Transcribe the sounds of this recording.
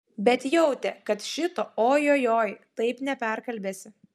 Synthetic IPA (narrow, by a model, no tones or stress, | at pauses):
bʲɛt̪jɛʊt̪ʲɛkɐt̪ʃʲɪt̪oːoːjoːjoːjt̪ɐɪpnʲɛpʲæɾkɐlʲbʲeːsʲɪ